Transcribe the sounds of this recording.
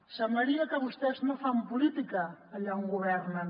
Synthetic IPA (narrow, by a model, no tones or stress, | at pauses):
samaɾiakaβust̪eznõfampulit̪ikaːʎauŋɡoβɛɾna